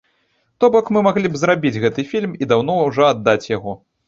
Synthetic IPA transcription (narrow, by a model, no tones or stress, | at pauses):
t̪ɔbɔkmɨmaɣlʲibzɾabʲid͡zʲɣɛt̪ɨfʲilʲmid̪awnɔwʐɔad̪ːat͡sʲjaɣɔ